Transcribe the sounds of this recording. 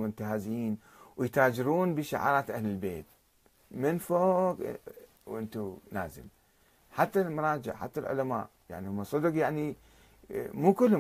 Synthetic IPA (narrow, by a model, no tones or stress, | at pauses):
mʊnt̪ahaːziːn | wjt̪aːd͡ʒɪɾuːnbiʃaʕɑ̰ːɾˤɑːt̪ʔahlɪlbḛːt̪̚ | mɪnfoːk | wʔɪnt̪unaːzɪ̰l | ħat̪ːalmʊɾˤɑːd͡ʒɪ̰ʕħa̰t̪ːalʕʊ̰lama̰ːʔja̰ʕnihʊmːasˤɨd̪ʊqjaʕni | muːkʊlːhʊ